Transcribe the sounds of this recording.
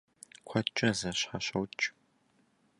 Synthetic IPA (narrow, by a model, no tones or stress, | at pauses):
kʷʰɐt͡ʃʼɐzɐɕħaɕɐwt͡ʃʼ